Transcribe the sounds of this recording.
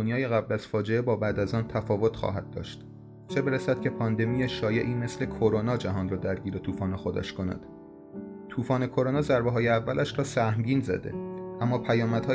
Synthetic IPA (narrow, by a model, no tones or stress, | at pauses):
onjɒːje̞ɣæblæz̥fɒːd͡ʒe̞ebɒːbæd̪æzɒːnt̪ʰæfɒːvo̞t̪ʰxɒ̰ːɦæd̪̚ːɒ̰ːʃt̪ | t͡ʃʰe̞be̞ɾæsæd̪̥cʰe̞pʰɒːnd̪e̞mijeʃɒːje̞ʔiːme̞sle̞kʰoɾonɒːd͡ʒæɦɒːnrɒːd̪æɾɟiːɾe̞t̪ʰuːfɒːne̞xo̞d̪æ̰ʃkʰo̞næ̰d̪̥ | t̪ʰuːfɒːne̞kʰo̞ɾonɒːzæɾbeɦɒːjeævːælʔæʃɾɒːsæhmɟiːnzæ̰d̪e̞̰ʔæmːɒːpʰæjɒːmæd̪̥hɒː